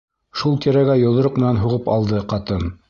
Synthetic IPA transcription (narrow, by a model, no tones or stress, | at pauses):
ʃulˠt̪iɾæɡæjŏlˠɤ̆ɾoqmɘ̆nænɦuʁɤpɑlˠd̪ɤqɑt̪ɤn